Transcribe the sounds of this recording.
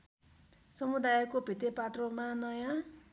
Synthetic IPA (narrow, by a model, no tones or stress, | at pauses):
sʌmud̪ajkobʱit̪epat̪romanʌjã